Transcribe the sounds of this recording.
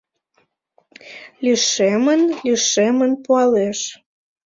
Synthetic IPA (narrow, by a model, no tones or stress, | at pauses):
lyʃemənlyʃemənpuɑleʃ